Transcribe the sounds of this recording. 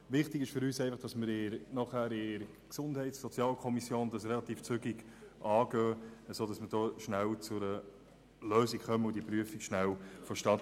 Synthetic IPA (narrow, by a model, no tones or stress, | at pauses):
ʋɪχtɪɡɪʃfʏɾyːsɛɪfɑχd̥ɑsməɾɪɾnɑχhæːɾɪɾ | ksʊnd̥hɛɪtsɔt͡sjɑːlkʰɔmisjoːnd̥ɑsrɛlɑt̪iːft͡sʏɡiɡ | ʔɑːɡœːəsoːd̥ɑsməɾd̥oːʃnælt͡sʊɾə | løːsikχœməʊdipɾyəfikʃnæwfɔʃtɑt